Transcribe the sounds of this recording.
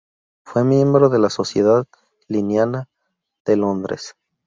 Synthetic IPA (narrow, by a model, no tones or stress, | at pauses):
fwe̞mje̞mbɾo̞ðe̞laso̞sjeðað | linjana | ð̥e̞lo̞nd̪ɾḛs